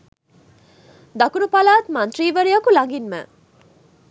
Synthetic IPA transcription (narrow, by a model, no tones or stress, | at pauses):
d̪ɐkunupalaːt̪mɐnt̪riːʋɐɾijɐkulɐŋɡinmæ̰